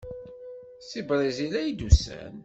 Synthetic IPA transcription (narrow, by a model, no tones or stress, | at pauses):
sibɾˤizilæjd̪usæ̰n